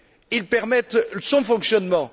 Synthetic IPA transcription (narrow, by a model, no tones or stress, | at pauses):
ilpɛʁmɛt̪sɔ̃fɔ̃ksjɔnmɑ̃